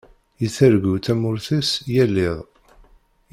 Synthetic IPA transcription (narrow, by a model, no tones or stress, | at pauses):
jiθəɾɡut͡sæmʊɾθisjælːɪðˤ